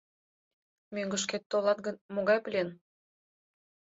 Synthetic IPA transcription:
mʲøŋɡə̆ʃ̬ket̪ːolˠɑt̪̚ɡə̆nmoɣɑjpəlʲen

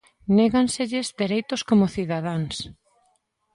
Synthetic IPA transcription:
neɣanseʎɪzd̪eɾejt̪oskomʊθiðaðaŋs

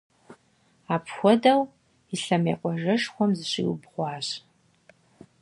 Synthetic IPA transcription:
aːpʰxʷɔdɐw | iɬɐmḛːqʷʼɔʒɐʂxʷɔmzɨɕḭwbʁʷɑːɕ

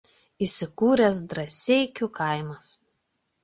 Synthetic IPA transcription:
iˑsʲɪkuːɾʲɛs̬d̪ɾɐsʲɛɪkʲukʰɐˑɪmɐs

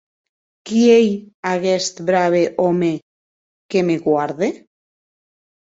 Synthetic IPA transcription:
kiejaɣest̪bɾaβeʔome | kemeɣwaɾðe

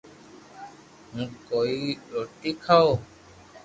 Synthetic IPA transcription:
ɦũːkoːiɾoːʈikʰao

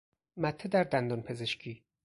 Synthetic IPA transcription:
mæt̪ʰːed̪æɾd̪ænd̪ɒnpʰe̞zeʃcʰiː

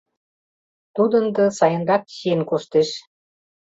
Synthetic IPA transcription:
t̪ud̪ənd̪ɤ̆sɑjə̆nd̪ɑk̪̚ɕienkoʃt̪eʃ

